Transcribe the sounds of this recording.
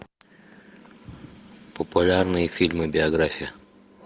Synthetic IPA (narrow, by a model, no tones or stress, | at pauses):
pəpulʲaɾnɨjfʲilmɨbʲiaɡɾafʲijɐ